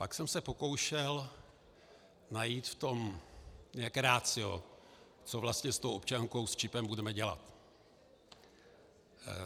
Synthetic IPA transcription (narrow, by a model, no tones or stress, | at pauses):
paksɛmsɛpo̞ko̞wʃɛl | najiːt̪ft̪o̞mɲɛakɾaːt͡sɪjo̰ | t͡so̞vlast̪ɲɛst̪owʔopt͡ʃaŋko̞wst͡ʃɪpɛmbudɛmɛɟɛla̰t̪